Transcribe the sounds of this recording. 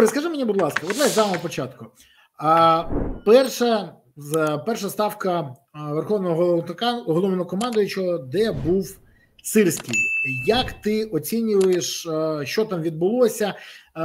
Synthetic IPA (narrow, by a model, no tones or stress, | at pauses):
ɾɛskɐʐɪmenʲibʊd̪lˠɑskɐɔd̪nasʲsamɔɦɔpɔt͡ʃɑt̪kʊ | pɛrʃɐ | pɛrʂɐst̪ɑwkɐ | ʋerxɔʋnɔɦɔɦt̪kɦɔlˠɔmnɔkɔmɑnd̪ʊjʊt͡ʃɔd̪ɛbuw | sɪrsʲkʲɪjjɐkt̪ɪɔt͡sʲinʲʊʋʊjeʂʃt͡ʃɔt̪ɑmʋʲid̪̚bʊlˠɔsʲɐ